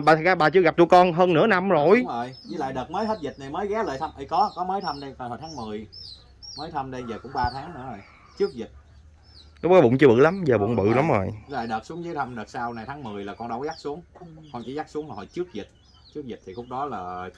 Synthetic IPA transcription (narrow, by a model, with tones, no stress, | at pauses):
ɓaː˨˩t̪ʰzaː˧ɓaː˨˩t͡ɕɨ˧əɣa˨˩p̚t̪u˧jkɔ˧nɦəː˧nːɨ̰˧˥əna˧mzo˨˩jəː˨˩jɲi˧˦la̰ː˧˨jɗəː˨˩t̚məː˨˦jhʰə˦˥t̚zi˨˩na˨˩jməː˨˦jɣɛ˨˦ləː˨˩jt̪ʰə˧mʔə˨˧˦jkɔ˨˦kɔ˨˦məː˨˦jt̪ʰə˧mɗe˧t̪aː˨˩jho̰˨jt̪ʰːŋmɨ˨˩əj | məː˨˦jt̪ʰə˧mɗe˧zəː˨˩kʊ̰˧˥ŋ͡mɓaː˧t̪ʰaː˨˦ŋnɨ̰˧˥əzo˨˩j | t͡ɕɨ˦˥ək̚zï˨˩t̚ | lʊ˦˥k͡p̚kɔ˨˦ɓʊ̰˧˨ŋ͡mt͡ɕɨ˧əɓɨ̰˧˨la˨˦mzəː˨˩ɓ̰wŋ͡mɓɨ̰˧˨la˨˦mzo̰˨˩jla̰ː˧˨jɗəː˨˩su˨˦əŋzəː˨˦jt̪ʰə˧mɗəː˨˩t̚saː˧wna˨˩jt̪ʰaː˨˦ŋmɨ˨˩əjlaː˨˩kɔ˧nɗə˧˩wzaː˦˥k̚su˨˦əŋkɔ˧˨˩t͡ɕḭ˧˩˦zaː˦˥k̚su˨˦əŋha˨˩hɔ̰˧˨˩t͡ɕɨ˦˥ək̚zi˨˩t̚ | t͡ɕɨ˦˥ək̚zï˨˩t̚t̪ʰi˨˩xʊ˦˥k͡p̚ɗɔ˨˦laː˨˩